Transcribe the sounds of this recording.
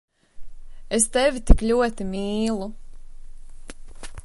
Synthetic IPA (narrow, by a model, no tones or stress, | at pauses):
est̪ɛvʲit̪ikʎʲuɔt̪imiːlˠu